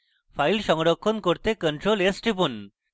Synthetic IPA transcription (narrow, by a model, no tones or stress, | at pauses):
fʰajlʃɔŋɾokʰːonkoɾt̪ekəɳʈɾolesʈipun